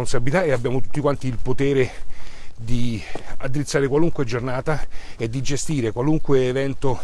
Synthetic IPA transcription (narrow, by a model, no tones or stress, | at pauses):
onsabilit̪aeabjaːmot̪u̥t̪ːikwant̪iːlpot̪eːɾe | d̪iad̪ːiɾit̪sːaːɾekwaluŋkwed͡ʒornaːt̪aed̪ːid͡ʒest̪iːɾekwaluŋkweːvɛnt̪o